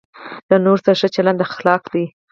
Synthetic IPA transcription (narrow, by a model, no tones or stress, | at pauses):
d̪anoɾsaʂət͡ʃaland̪axlɑkd̪i